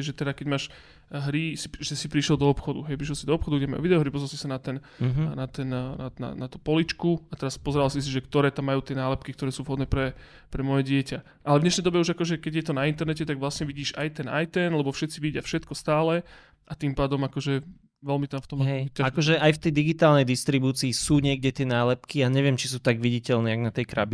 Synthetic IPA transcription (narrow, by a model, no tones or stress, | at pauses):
ʒɛt̪ɛɾakɛɟmaːʃ | ɦɾisiʒɛsipɾiʃlɛlˠd̪ɔɔpxɔd̪ṵɦɛjpɾiʃ̬lɛlsid̪ɔɔːpxɔd̪uɡɟɛma̰jṵʋid̪ɛɔɦɾipɔzɾalsi̥sanat̪ɛn | nat̪ɛnnana̰nat̪upɔlit͡ʃkuat̪ɛɾaspɔzɛɾalsis̬iʒɛkt̪ɔɾɛːt̪amːajuːt̪ɪɛnaːlɛp̚kikt̪ɔɾɛːsuːvɦɔd̪nɛːpɾɛ | pɾɛmɔjɛɟɪɛca | ʔalɛvɲɛʃnɛjd̪ɔbɛuʒakɔʒɛkɛɟjɛt̪ɔnaint̪ɛɾnɛcɛt̪aɡʋlasɲɛʋiɟiːʒa̰jt̪ɛna̰jt̪ɛnlɛbɔfʃɛt̪t͡siʋiɟɪafʃɛt̪kɔst̪aːlɛ | ʔat̪impaːd̪ɔmakɔʒɛ | ʋɛlmit̪amft̪ɔmɦɛjaaɔʒɛajft̪ɛjd̪iɡit̪aːlnɛjd̪ist̪ɾibuːt͡siːsuːɲɪɛɡɟɛt̪ɪɛnaːlɛp̚kiaɲɛʋɪɛmt͡ʃi̥suːt̪aɡʋiɟicɛlnɛːjaɡnat̪ɛjkɾa̰bi